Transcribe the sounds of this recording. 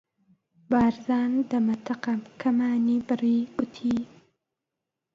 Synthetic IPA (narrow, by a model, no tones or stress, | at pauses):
baːɾzaːnd̪ɐmɐt̪ʰɐqɐmkʰɐmaːnibɨɾiːɡʊt̪ʰi